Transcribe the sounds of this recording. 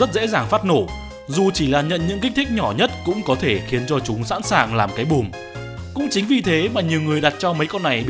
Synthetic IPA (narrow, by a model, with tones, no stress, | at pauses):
zə˦˥t̚zḛ˧˥zaː˨˩ŋfaː˦˥t̚no˧˩ | zu˨˩t͡ɕi˧˩laː˨˩ɲə̰˧˨nɲɨ̰˧˥ŋki˦˥k̟̚t̪ʰi˦˥k̚ɲɔ˧˩ɲə˦˥t̚kʊ̰˧˥ŋ͡mkɔ˨˦t̪ʰe˧˩xi˨˦ənt͡ɕɔ˧t͡ɕʊ˨˦ŋ͡msa̰ː˧˥nsaː˨˩ŋlaː˨˩mkaː˨˦jɓu˨˩m | kʊ̰˧˥ŋ͡mt͡ɕï˨˦ŋ̟vi˨˩t̪ʰe˨˦maː˨˩ɲi˨˩əwŋɨ˨˩əjɗa˨˩t̚t͡ɕɔ˧mə˨˦jkɔ˧nːa˨˩j